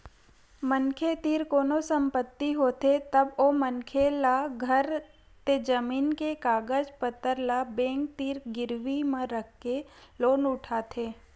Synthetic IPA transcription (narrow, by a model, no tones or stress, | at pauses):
mənkʰet̪iːɾkoːnosə̃mpət̪ːiɦoːt̪et̪ɐbomənkʰelaɡʱəɾ | t̪ed͡ʒəmiːnkekaːɡəd͡ʒpət̪ːəɾlabẽːŋk̚t̪iːɾɡɪɾʋimẽɾəkʰkeloːnʊʈʰaːt̪ʰeː